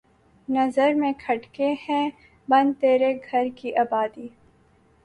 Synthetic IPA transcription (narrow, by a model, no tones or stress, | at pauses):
nɐzəɾmẽkʰɐʈkehɛ̃ | bɐ̃nd̪t̪eːɾeɡʱɐɾkiʔaːbaːd̪iː